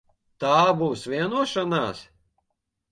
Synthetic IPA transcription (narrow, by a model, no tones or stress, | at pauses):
t̪aːbuːsʋʲiɛnuɔʃanaːs